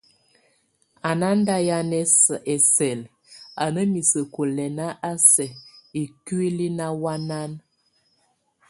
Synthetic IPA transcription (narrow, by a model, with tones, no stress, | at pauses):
a˨na˦n˦da˦ja˦nɛ˦sə˨ʔɛ˨sɛ˨l | a˨nə˦mi˨sə˨ko˨lɛ˨na˦ʔa˦sɛ˨i˨kwi˦li˦na˦wa˦na˦n